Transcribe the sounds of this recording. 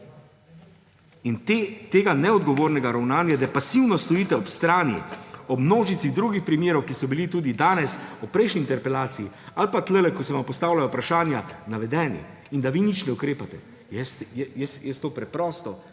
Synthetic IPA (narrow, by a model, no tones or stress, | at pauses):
int̪eːɡanɛɔd̪ɡɔʋoːɾnɛɡaɾawnaːnjad̪ɛpasiwnɔst̪ɔiːt̪ɛɔpst̪ɾaːnjḭɔbmnoːʒit̪siɣd̪ɾuːɡixpɾimjeːɾɔwkisɔbilit̪uːd̪id̪aːnɛsupɾɛjʃniːnt̪ɛɾpɛlaːt̪siialpat̪lɛlɛkɔsɛʋampɔst̪aːwlajɔpɾaʃaːnjanaʋɛd̪ɛːnḭ | ind̪aʋinit͡ʃnɛukɾeːpat̪ɛ̰ | jɛst̪ɛjɛsjɛst̪oːpɾɛpɾɔːst̪ɔ